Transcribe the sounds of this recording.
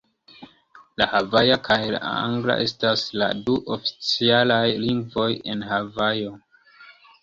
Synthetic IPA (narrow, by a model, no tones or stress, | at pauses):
lahavajakʰajla̰a̰ŋɡla̰ʔe̞stasla̰duʔofi̥t͡sialajliŋɡvo̞je̞nhavajo̞